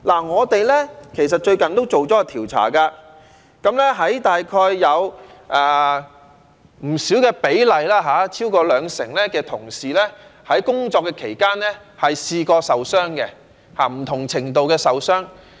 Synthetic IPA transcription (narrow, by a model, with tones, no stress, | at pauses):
laː˨˩ŋɔː˨˧t̪e˨jlɛː˥kʰe˨˩js̬ɐ˨t̚t͡ʃɵ˧ɥkɐ˨nt̪o˥wt͡so˨wt͡sɔː˨˥a˧t̪ʰiː˨˩wt͡sʰa̰ː˨˩kaː˧ | kɐ˨˥mlɛː˥ɦɐ˨˥jt̪aː˨jkʰɔː˧jːɐ˨˧wʔɛː˨ | m̩˨˩siː˨˥wkɛː˧pe˨˥jlɐ˨jlaː˥ɦaː˨˧˥t͡sʰiː˥wkɔː˧lœː˨˧ŋsɪ̰˨˩ŋlɛː˥kɛː˧t̪ʰʊ˨˩ŋsiː˨lɛː˥hɐ˨˥jkʊ˥ŋt͡ʃɔː˧kːɛː˧kʰe˨˩jkaː˥nlɛː˥ | hɐ˨jsiː˧kɔː˧sɐ˨wsœː˥ŋkɛ˧ | haː˨m̩˨˩t̪ʰʊ˨˩ŋt͡sʰɪ˨˩ŋt̪o˨wkɛː˧sɐ˨wsœː˥ŋ